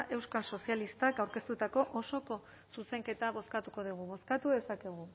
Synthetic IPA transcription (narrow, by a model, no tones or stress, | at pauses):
ʔe̞wskalso̞sialist̪akawɾke̞st̪ut̪ako̞ʔoso̞ko̞ | suse̞ŋke̞t̪aβ̞o̞skat̪uko̞ðiɣ̞uβo̞skat̪uðe̞sake̞ɣ̞u